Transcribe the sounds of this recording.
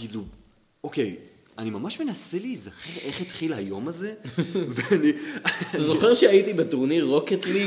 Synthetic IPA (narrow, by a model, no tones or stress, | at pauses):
kilu | okej | animamaʃme̞naselizaχeʁʔe̞χet̪χilhajo̞maze̞veani | zo̞χeʁʃeait̪ibet̪oʁniʁo̞ket̪li